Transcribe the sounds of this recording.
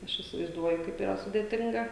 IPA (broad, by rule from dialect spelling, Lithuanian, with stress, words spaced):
ˈɐʃ iːsʲɪʋɐɪzˈduɔjʊ ˈkɐɪp iːˈrɐ sʊdʲeːˈtʲɪŋɡɐ